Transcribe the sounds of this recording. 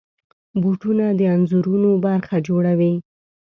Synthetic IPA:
buʈunad̪əanzuɾunobaɾxad͡ʒoɽawi

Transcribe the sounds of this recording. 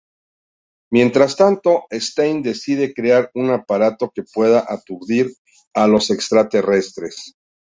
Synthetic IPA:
mje̞nt̪ɾast̪ant̪o̞est̪ejnd̪e̞siðe̞kɾeaɾunapaɾat̪o̞ke̞pwe̞ðaʔat̪uɾðiɾ | alo̞se̞kst̪ɾat̪e̞re̞st̪ɾe̞s

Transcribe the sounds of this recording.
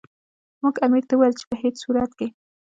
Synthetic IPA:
muɡamiɾt̪awajəlt͡ʃe̥pəɦet͡ssuɾat̪ke

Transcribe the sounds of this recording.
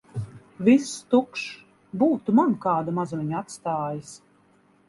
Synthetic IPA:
vist̪ukʃ | buːt̪umankaːd̪amazmʲiɲat̪st̪aːjis

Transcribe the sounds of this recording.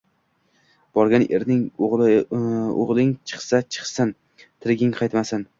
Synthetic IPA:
b̥ɒɾɡʲanḛɾnɪŋoʁ | o̰ʁlˠɪŋt͡ʃʰɨ̥χsat͡ʃʰɨ̥χsɪn | t̪ʰɪɾɡʲɪŋqʰɑjt̪masɪn

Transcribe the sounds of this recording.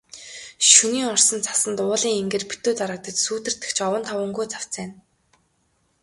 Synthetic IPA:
ʃuniːŋɔr̥sɞ̆nt͡sʰḁsə̆nt̪ʊːɮiːŋeŋɡeːrpu̥t̪oːt̪aɾə̆k̚t̪ə̆t͡ɕsuːt̪ɘ̆r̥t̪ɘ̥̆kt͡ɕʰɔwə̆nt̪ʰɔwɵ̆ŋɡujt͡sʰḁw̥t͡sæːn

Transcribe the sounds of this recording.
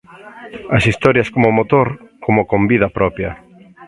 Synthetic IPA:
ɐsist̪ɔɾjɐskomomot̪oɾkʰomokombiðɐpɾɔpjɐ

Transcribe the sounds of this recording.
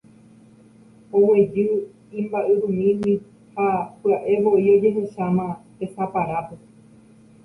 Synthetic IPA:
owed͡ʒɨ | ĩmbaʔɨɾũmĩwi | hapɨaʔe̞ʋo̞ʔio̞d͡ʒe̞ɦe̞ʃamãpe̞sapaɾape

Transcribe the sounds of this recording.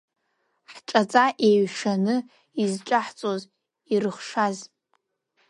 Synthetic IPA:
ħʈ͡ʂʼat͡sʼaʔeɥʂanɨ | izʈ͡ʂʼaħt͡sʼoz | irɨχʂaz

